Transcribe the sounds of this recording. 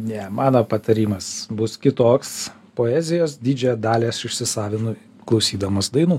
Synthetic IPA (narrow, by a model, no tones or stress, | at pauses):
nʲɛmɑːnoːpɐt̪ɐɾʲiːmɐsbʊskʲɪt̪oːks | poːæːzʲɪjoːsd̪ʲiːd͡ʒʲɛd̪ɑːlʲeːsɪʃʲsʲɪsɑːʋʲɪnʊ | klˠɐʊsʲiːd̪ɐmoːsd̪ɐɪnuː